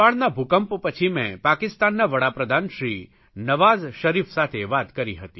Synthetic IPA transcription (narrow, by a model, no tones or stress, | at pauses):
aɭnabʱukəmppət͡ʃʰimɛ̰̃pakɪst̪anːaʋəɽapɾəd̪ʱanʃɾi | nəʋazʃəɾifsat̪ʰeʋat̪kəɾiɦət̪i